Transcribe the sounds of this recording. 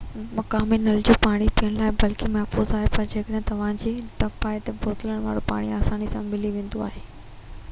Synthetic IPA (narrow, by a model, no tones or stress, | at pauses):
mɐkaːminɐld͡ʑopaːɽ̃ipijəɽ̃laːɪbɐlkimɐɦfuːzaːɦepɐɾd͡ʑeːkəɗɛɦt̪ɐʋ̤ãd͡ʑeːʈɐfaːɦet̪ɐboːt̪ɪləɽ̃ʋa̰ːɽopa̰ːɽ̃iaːsaːnisãmɪliʋẽːn̆d̪oa̰ːɦeː